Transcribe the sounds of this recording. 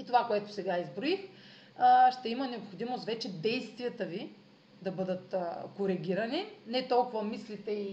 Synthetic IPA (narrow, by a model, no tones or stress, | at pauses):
it̪ovakoɛt̪ʊ̥sɛɡaizbɾoix | ʃt̪ɛimənɛopxod̪imost̪vɛt͡ʃɛd̪ɛjst̪viət̪əvi | d̪ɐbɤd̪ət̪koɾɛɡʲiɾɐninɛt̪ɔlˠkʊvɐmislit̪ɛi